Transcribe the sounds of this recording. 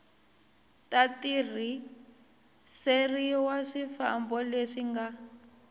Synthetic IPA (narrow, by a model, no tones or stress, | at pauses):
tatir̤i | seriwaʂifa̰mbɔleʂiŋɡa